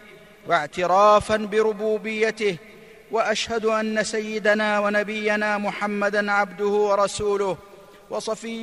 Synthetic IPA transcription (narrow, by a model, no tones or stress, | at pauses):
waʕt̪ɪɾaːfanbɪɾʊbuːbɪjːat̪ɪh | waʔaʃhad̪ʔanːasajːɪd̪anaːwanabɪjːanaːmʊħamːad̪anʕabd̪ʊhʊwɑɾˤɑsuːlʊh | wɑsˤɑfɪ